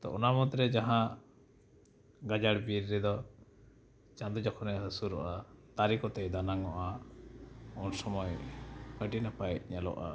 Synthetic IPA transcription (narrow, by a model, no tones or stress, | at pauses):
t̪ɔ̰ʔɔnamɔt̪ɾɛd͡ʒaɦã | ɡad͡ʒaɽbiɾːɛd̪ɔ | t͡ʃãd̪ɔd͡ʒɔkʰɔnɛəsuɾɔʔat̪aɾikɔt̪ɛjd̪anaŋɔʔa | unsɔmɔjkəʈinapajc̚ɲalɔ̰ʔa̰